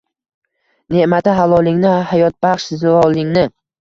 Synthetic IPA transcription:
ne̞ʔmat̪aɦalɒlˠɪŋnɪhajɒt̪̚baχʃzɒlˠɪŋnɪ

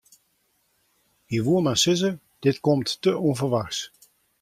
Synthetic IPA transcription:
iʋuəmasɪzə | d̥ɪtkɔmtːəʔɔnvərʋaxs

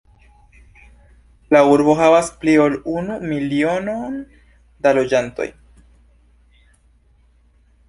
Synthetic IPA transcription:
lauɾbo̞ɦavaspliolunumilio̞no̞n | dalo̞d͡ʒanto̞̰j

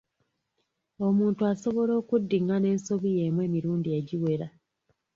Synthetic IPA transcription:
o̞muːntuaso̞βo̞lo̞ːkudːiŋane̞ːnso̞βije̞ːmwe̞ːmiɾuːndieɟiwe̞ɾa

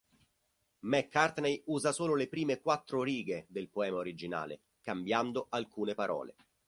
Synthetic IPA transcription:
mɛkːart̪nejuːzasoːlolepɾiːmekwat̪ːɾoɾiːɡed̪elpoɛːmaoɾid͡ʒina̰ːlḛ | kambjand̪oʔalkuːnepaɾʔɔ̰ːlḛ

